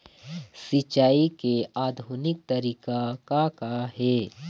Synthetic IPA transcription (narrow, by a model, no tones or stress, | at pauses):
sɪt͡ʃaːikeaːd̪ʱuːnɪk̚t̪ɐɾiːkakakaɦɛː